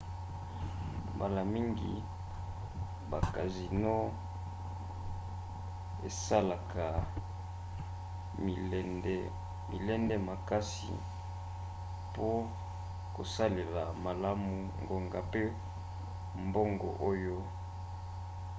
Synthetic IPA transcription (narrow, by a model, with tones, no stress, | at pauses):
mba˨la˨mi˦ŋɡḭ˨ | ba˨ka˨zi˨no˦ | ḛ˨sa˦la˨kʰa˨ | ɛ˦ndɛ˦ | mi˨lɛ˦ndɛ˦ma˨ka˦sḭ˨ | po˦ | ko˨sa˦le˨la˨ma˨la˦mu˨ŋɡo˨ŋɡa˨pe˦ | mbo˦ŋɡo̰˨ʔo˦jo˦